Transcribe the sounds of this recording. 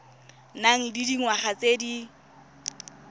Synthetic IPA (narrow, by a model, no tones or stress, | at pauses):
naŋ̩didiŋwaχat͡sedi